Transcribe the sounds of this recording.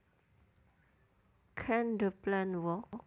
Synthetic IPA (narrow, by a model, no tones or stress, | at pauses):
kʰɛ̃ndəplɛ̃nwɔ